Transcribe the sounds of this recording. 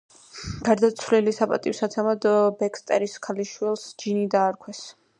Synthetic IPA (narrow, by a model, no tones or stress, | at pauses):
ɡ̥aɾd̪at̪sʰvlilisapʼa̰t̪ʼiwsat̪sʰɛmad̪bɛkʰst̪ʼɛ̰ɾiskʰaliʃwilˠsd͡ʒinid̪aːɾkʰwɛs